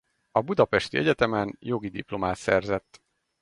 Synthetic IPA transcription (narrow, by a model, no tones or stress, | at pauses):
ɒbud̪ɒpɛʃt̪iɛɟɛt̪ɛmɛnjo̞ɡid̪iplo̞maːt̪sɛrzɛt̪ː